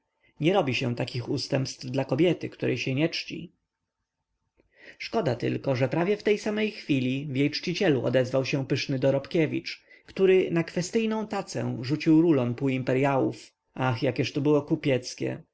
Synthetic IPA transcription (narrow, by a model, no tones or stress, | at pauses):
ɲɛɾɔbʲiɕɛ̃t̪akʲixust̪ɛmpst̪vd̪lakɔbʲjɛt̪ɘkt̪uɾɛjɕɛɲɛt͡ʂt͡ɕḭ | ʂkɔd̪at̪ɘ̰lkɔʐɛpɾavʲjɛft̪ɛjsamɛjxfʲilʲivjejt͡ʂt͡ɕit͡ɕɛluʔɔ̰d̪ɛzvawɕɛ̃pɘʂnɘd̪ɔɾɔpkʲɛvʲḭt͡ʂ | kt̪uɾɘnakfɛst̪ɘjnɔ̃w̃t̪at̪sɛ̰ʐut͡ɕiwɾulɔmpuimpɛɾjawṵf | ʔaxjakʲɛʂt̪ɔbɘwɔkupʲjɛt̪skʲɛ̰